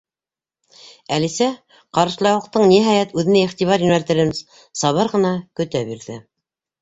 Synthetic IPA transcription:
ælisæ | qɑɾɤ̆ʃlˠɑwɤ̆q̚t̪ɤɴniɦɑjæt̪ʉðɘ̆næiχt̪iβɑɾjɵ̆nælt̪ɘ̆ɾɘm | sɑβɤɾʁɤ̆nɑkɵ̆t̪æbiɾðɘ

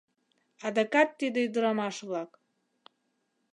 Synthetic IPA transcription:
ɑd̪ɑkɑt̪ːid̪ĕyd̪əɾɑmɑʃβlɑk

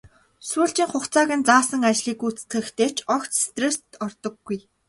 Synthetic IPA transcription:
suːɬt͡ɕiːŋχʊχt͡saːɣə̆nt͡saːsə̆ŋat͡ɕɮiːkuːt͡sɘ̥t̪ɡɘ̆xt̪ʰeːt͡ɕʰɔkt͡sst̪rest̪ɔrt̪ɞ̆ɡːuj

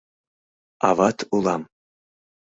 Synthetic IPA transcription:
ɑ̰vɑt̪ʰulˠɑm

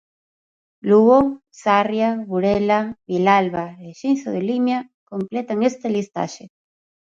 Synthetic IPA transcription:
luo | sarjaβuɾelaβilalβaeʃinθoðelimjakomplet̪aŋest̪elist̪a̰ʃe

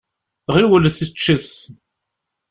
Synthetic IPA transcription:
ʁiwələθit͡ʃːəθ

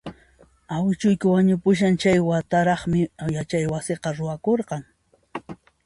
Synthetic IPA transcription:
awɪt͡ʃʊjkɪwaɲʊpʊʃ̬ant͡ʃajwat̪aɾɑχmɪjat͡ʃajwasɪqɑɾʊwakoɾqɑŋ

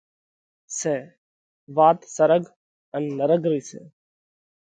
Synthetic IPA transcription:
seː | ʋaːt̪səɾəɡ | ənːəɾəɡɾiːsḛː

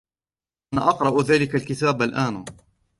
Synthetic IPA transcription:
ʔanaʔɑqɾˤɑʔðaːlɪkalkɪt̪aːbalʔaːn

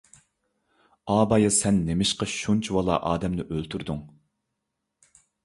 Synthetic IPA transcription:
ɑːbɑjɑsɛnːemɪʃqɑʃunt͡ʃʰiwɑlˠɑ̰ʔɑ̰ːd̪ɛmnɪʔølt̪ʰyɾd̪uŋ

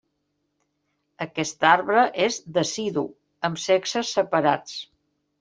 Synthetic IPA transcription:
əkɛst̪aɾβɾəʔezd̪əsiðu | əmseksəsːəpəɾat͡s

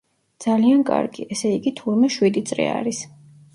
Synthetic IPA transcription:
d̪z̥aliankʼa̰ɾɡḭʔɛsɛiɡit̪ʰuɾmɛʃwid̪it̪sʼɾḭa̰ɾis

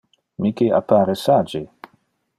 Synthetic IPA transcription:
mikea̰paːɾesaːd͡ʒe

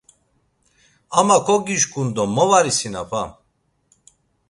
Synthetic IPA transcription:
amakʰɔɡiʃkʼund̪ɔmːɔvaɾisina̰pʰa

